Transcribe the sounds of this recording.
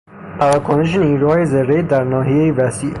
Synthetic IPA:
pʰævæːkʰoneʃ̬eniːɾuːhɒːjezeɾːejd̪æɾnɒːɦijejevæsi

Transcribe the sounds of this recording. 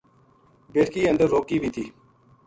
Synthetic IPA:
beːʈkiːə̃nd̪əɾːoːkiːbʱiːt̪ʰiː

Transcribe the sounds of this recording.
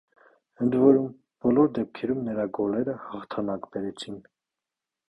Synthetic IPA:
ənd̪vɔɾum | b̥ɔlɔɾd̪ɛp̚kʰɛɾumnəɾɑɡɔlɛɾəhɑχt̪ʰɑnɑkbɛɾɛt͡sʰin

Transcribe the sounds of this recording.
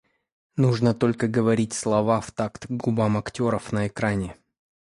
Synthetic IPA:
nuʐnət̪o̞lʲkəɡəvɐɾʲitʲslˠɐvaft̪akt̪ɡubamɐktʲo̞ɾəfnəɪkɾanʲɪ

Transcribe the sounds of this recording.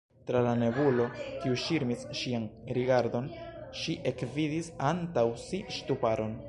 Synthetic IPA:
tɾalane̞vulo̞kiuʃiɾmisʃianɾiɡaɾdo̞nʃiʔe̞kvidisantawsiʃtupaɾo̞n

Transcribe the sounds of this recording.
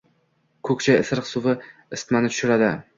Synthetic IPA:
kʰɵkʲt͡ʃʰajɪsɪɾqsʊvɪɪst̪manɪt̪ʰʊ̥ʃɪɾad̪ɪ

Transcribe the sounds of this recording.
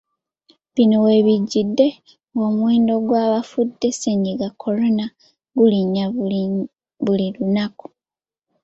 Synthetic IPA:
βinowe̞βiɟːidːe̞ | ŋɡo̞ːmweːndo̞ɡwaːβafudːe̞se̞ɲiɡakʰːo̞ɾo̞na | ɡuliɲːa | βuliɾunaku̥

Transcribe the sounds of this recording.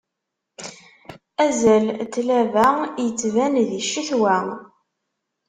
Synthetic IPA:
æzælt̪ːlævæjət͡sːvænðiʃːiθwæ

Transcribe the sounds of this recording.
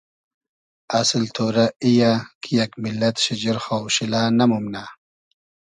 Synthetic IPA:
aslt̪ʰoːɾaijakʰijakmilːɐt̪ɕid͡ʑiɾxawɕilaːnɐmumna

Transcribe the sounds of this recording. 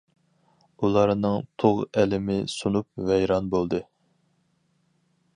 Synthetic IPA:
ulˠɑɾnɨŋt̪ʰoʁɛlɪmɪsunup̚vɛjɾɑnbolˠd̪ɨ

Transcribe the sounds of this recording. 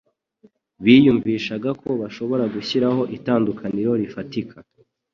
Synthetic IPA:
βiːjuɱviːʃaɡako̞βaʃo̞βo̞ɾaɡuçiɾaho̞ʔitaːndukʰaniɾo̞ɾifatikʰa

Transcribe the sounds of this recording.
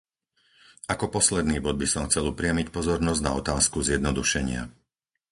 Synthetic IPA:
akɔpɔslɛd̪niːbɔd̪̚bisɔmxt͡sɛlupɾɪamicpɔzɔɾnɔzɟna̰ɔt̪aːskuzjɛd̪nɔd̪uʃɛɲɪa̰

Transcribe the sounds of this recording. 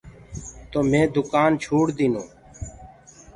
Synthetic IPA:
t̪oːmẽːd̪ʊkaːnt͡ʃʰuːɽd̪inoː

